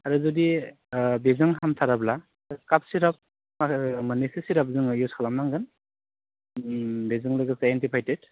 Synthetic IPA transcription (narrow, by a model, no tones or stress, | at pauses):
aɾɯzudi | bezɯŋɦamtʰaɾabla | kap̚siɾap̚ | mamanisisiɾap̚zɯŋjuskʰalamnaŋɡɯn | bezɯŋlɯɡɯsajentipʰajtet